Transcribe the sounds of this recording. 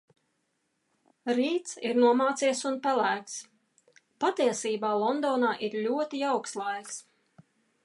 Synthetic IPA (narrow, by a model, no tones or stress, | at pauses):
ɾiːt̪siɾnuɔmaːt̪siɛsunpælæːks | pat̪iɛsiːbaːlˠɔnd̪ɔːnaːʔiɾlʲuɔt̪iawkslˠajss